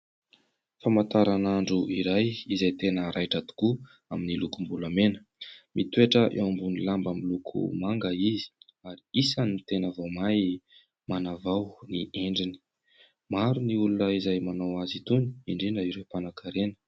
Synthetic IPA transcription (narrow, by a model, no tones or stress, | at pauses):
famant̪aɾanaɳɖ͡ʐuʔiɾajizajt̪enəɾʔajʈ͡ʂat̪u̥ku | aminilukumbulamenə̥ | mʔit̪ueʈ͡ʂəʔḛwambunilambamilukʰṵmaŋɡəizi̥ | aɾiisanit̪enavomaj | manavawnieɳɖ͡ʐini̥ | maɾuniulunəizajmanawazit̪uni̥iɳɖ͡ʐinəiɾepanakaɾenə̥